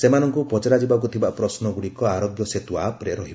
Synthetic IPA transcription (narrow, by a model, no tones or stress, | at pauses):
semanɔŋkupɔt͡ʃaɾad͡ʒibak̬ut̪ʰibapɾɔsnɔɡuɽikɔaɾɔɡjɔset̪uapɾeɾɔɦibɔ